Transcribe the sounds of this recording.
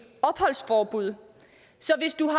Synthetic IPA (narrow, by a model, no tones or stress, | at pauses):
ɒ̽b̥hɒ̽l̰sfɒːb̥uð̞̰ˠ | sɒ̽ʋe̝sd̥uɦɑ